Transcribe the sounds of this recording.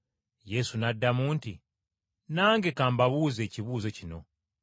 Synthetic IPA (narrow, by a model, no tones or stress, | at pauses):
je̞sunadːamuːnti | naːŋɡe̞kaːmbaβuːze̞ːciβuːze̞cino̞